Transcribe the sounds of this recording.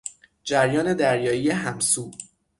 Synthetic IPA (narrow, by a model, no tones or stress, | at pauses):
d͡ʒæɾjɒːne̞d̪æɾjɒːijeɦæmsuː